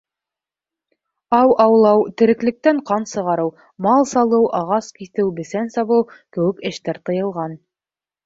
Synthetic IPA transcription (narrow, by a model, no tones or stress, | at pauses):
ɑwʔɑwlˠɑwt̪ɘ̆ɾɘ̆klɘ̆k̚t̪æɴqɑnsɤ̆ʁɑɾɤw | mɑlˠsɑlˠɤwʔɑʁɑskiθɘwbɘ̆sænsɑβɤwkɘ̆wɘ̆kɘ̆ʃt̪æɾt̪ɤ̆jɤ̆lˠʁɑn